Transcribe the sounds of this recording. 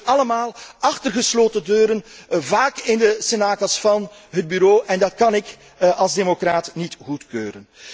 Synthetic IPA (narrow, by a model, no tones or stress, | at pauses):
ɑləmaːlˠɑxtərɣəsloːtədøːɾənvaːkɪndəsenaːkəlˠsfɑn | ɦəd̚byɾoːʔɛndɑtkɑnɪk | ʔɑlˠzdemokraːtnitɣutkøːɾən